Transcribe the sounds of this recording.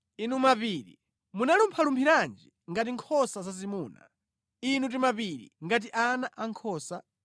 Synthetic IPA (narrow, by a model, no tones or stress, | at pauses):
inumapiːɾḭ | munalumpʰalumpʰiɾand͡ʒi | ŋɡat̬iŋkʰɔsazazimuːna̰ | inut̬imapiɾḭŋɡat̬iʔanaʔaŋkʰɔːsa